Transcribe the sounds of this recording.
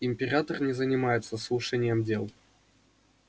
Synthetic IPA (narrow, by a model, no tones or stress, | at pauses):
ɪmʲpʲɪɾʲat̪ərnʲɪzənʲɪmajɪt̪səslˠuʂɛnʲɪjəmdʲelˠ